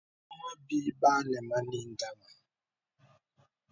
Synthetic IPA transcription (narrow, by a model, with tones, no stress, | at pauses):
ma˦bi˦ɓa˦nɛ˨ma˦ni˦n˨da˦ma˨